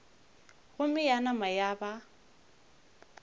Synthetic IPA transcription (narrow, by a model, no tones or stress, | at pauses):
ɣʊmɪjanamajaːba